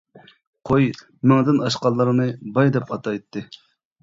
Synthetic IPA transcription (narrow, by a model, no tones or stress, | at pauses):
qʰoj | mɪŋd̪ɪnɑʃqɑlˠːɨɾnɨbɑjd̪ɛpɑt̪ʰɑjt̪ːɨ